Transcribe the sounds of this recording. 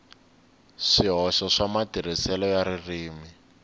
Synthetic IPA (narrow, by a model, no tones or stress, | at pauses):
ʂiɦɔʃɔʂamatir̤isɛlɔjaririːmi